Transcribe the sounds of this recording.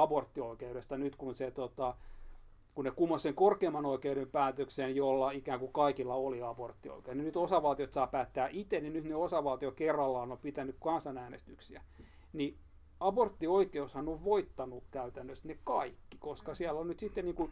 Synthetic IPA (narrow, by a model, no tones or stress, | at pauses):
ɑbort̪ːioikeuɾest̪ɑnyt̪kunset̪ot̪ɑ | kunnekumːosseŋkorkeːmːˑɑnoikeuɾempæːt̪øksenjolːɑikæːŋkukɑikilːɑoliɑbort̪ːio̰ikeusninyt̪osɑʋɑlt̪iot̪sɑːpæːt̪ːæːʔit̪enninyt̪neosɑʋɑlt̪iokerːɑlːɑːnompit̪ænykkɑnsɑnæːnḛst̪yksiæ | ni | ɑbort̪ːioikeushɑnoʋʋoit̪ːɑnukkæyt̪ænːøsnekkɑikːi̥koskɑsiælːonnyt̪sit̪ːenniːŋkun